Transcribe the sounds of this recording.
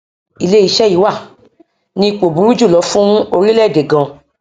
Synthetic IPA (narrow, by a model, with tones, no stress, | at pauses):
i˨le˦i˦˨ʃɛ˦˨i˨˦wa˦˨ | nĩ˧˦˧k͡po˨bũ˨˦ɾu˦d͡ʒu˦˨lɔ˨˧˦fũ˦o˧ɾĩ˦lɛ˦˨de˨ɡã˧